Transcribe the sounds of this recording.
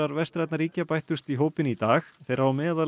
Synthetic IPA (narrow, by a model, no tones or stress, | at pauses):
aɾvɛst̪ɾajt̪naɾiːcapajht̪ʏst̪iɦoːwpɪnit̪aːxθejɾaamɛːðal